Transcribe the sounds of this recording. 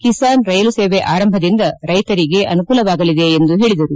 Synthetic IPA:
kisaːnɾɐjɐluseːʋeʔaːɾɐmbʱɐd̪ind̪ɐɾɐjt̪ɐɾiɡe̞ʔɐnukuːlɐʋaːɡɐlid̪e̞ːnd̪uɦe̞ːɭid̪ɐɾu

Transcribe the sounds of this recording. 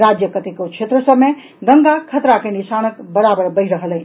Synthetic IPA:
ɾad͡ʒjəkət̪ikot͡ʃʰet̪ɾəsəbme | d̪əŋɡakʰət̪ɾakenisanəkbəɾabəɾbəɪɾəɦələn

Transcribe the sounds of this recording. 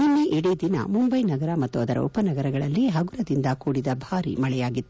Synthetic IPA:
munːeʔiɽid̪inɐ̰mumbɐjnɐɡɐɾɐmɐt̪ːuɐd̪ɐɾɐ̰upːɐnɐɡɐɾɐɡɐɭɐlːiɦɐɡuɾɐd̪ind̪ɐkuːɽid̪ɐbʱaːɾḭmɐɭɛjaːɡit̪ːu

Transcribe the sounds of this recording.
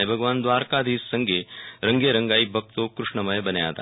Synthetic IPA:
ebʱɐɡʋaːnd̪ʋaːɾkaːd̪ʱiːsːɐŋɡʱeɾɐŋɡeɾɐ̃ŋɡaːibʱɐk̚t̪okɾuʂɳɐmɐjbɐnja̰ːt̪a̰ː

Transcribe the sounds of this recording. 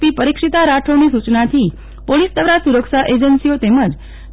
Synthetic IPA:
pipəɾikʂit̪aɾaʈʰonisut͡ʃnat̪ʰi | polisd̪əʋɾasuɾəkʃaʔed͡ʒənsiot̪eməd͡ʒ

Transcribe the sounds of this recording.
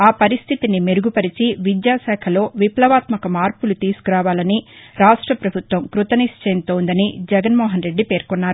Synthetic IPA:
aːpɐɾist̪ʰit̪inimeɾuɡupɐɾit͡ʃiʋid̪jaːsɛːkʰɐlo̞ːʋiplɐʋaːt̪mɐkɐmaːɾpulut̪iːsu̥kuɾaːʋaːlɐniɾaːʂʈɾɐpɾɐbʱut̪ʋɐmkɾut̪ɐnist͡ʃeːnt̪oːnd̪ɐnid͡ʒɛɡɐnmɔːɦɐnɾe̞ɖːipe̞ːɾkɔnːaːɾu

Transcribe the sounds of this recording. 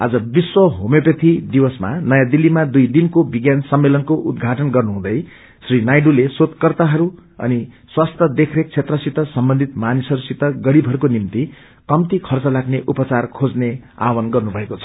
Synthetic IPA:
a̰d͡zʌbiswʌɦomepʌt̪ʰid̪iwʌsma̰nʌjãd̪ilːimad̪ujd̪inkobiɡjansʌmːelʌnkoʔud̪ɡʱaʈʌnɡʌrnuɦũd̪ʌj | srinajɖulesot̪kʌrt̪aɦʌɾuʌ̰ni | swast̪ʰʌd̪ekʰrek̚t͡sʰet̪rʌsit̪ʌsʌmbʌnd̪ʱit̪manisʌɾusit̪ʌɡʌɽibʱʌɾukonimt̪i | kʌmt̪ikʰʌrt͡sʌlaɡneʔupʌt͡sarkʰod͡znea̰wʌnɡʌrnubʱʌekot͡sʰʌ̥

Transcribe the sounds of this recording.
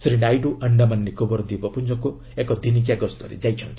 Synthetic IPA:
sɾinajɖuʔɐɳɖamanːikobɔɾd̪ibɔpund͡ʒɔku | ekɔd̪inik̬jaɡɔst̪ɔɾḛd͡ʒajt͡ʃʰʌnt̪ʰi̥

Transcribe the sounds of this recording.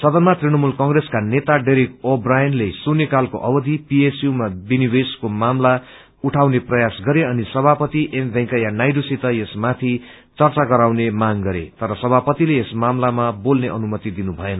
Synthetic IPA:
sʌd̪ʌnmat̪rinʌmulkʌŋɡreskanet̪aɖeɾikobrajʌnlesunekalko̰ʔʌbʌd̪ʱipiesjumabinibeskomamla | uʈʰawneprʌjasɡʌɾeʌnisʌbʱapʌt̪iʔembʱɛ̃ŋkajanajɖusit̪ʌjesmat̪ʰi | t͡sʌrt͡saɡʌɾawnemaŋɡʌɾḛt̪ʌɾʌsʌbʱapʌt̪ileːsmamlamabolneʔʌnumʌt̪id̪inubʱʌenʌ

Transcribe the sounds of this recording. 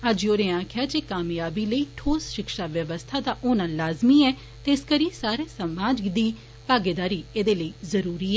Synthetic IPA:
əd͡ʒoːɾẽːãːkʰjaːd͡ʒeːkaːmjaːbiːləiːʈʰoːsʃɪkʃaːʋjəʋəst̪ʰaːd̪aːʔʊːnãːlaːzmiːɛː | t̪eːskəɾiːsaːɾeːsəmaːd͡ʒd̪iː | paːɡed̪aːɾiːeːd̪eːləiːzəɾuːɾiːɛː

